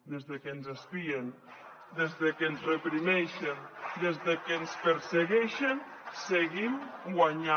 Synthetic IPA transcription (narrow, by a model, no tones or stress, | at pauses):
d̪ezðekenzaspien | d̪ezðəkenzrepɾimɛʃend̪ezðekenspəɾseɣɛʃenseɣimɡwaɲa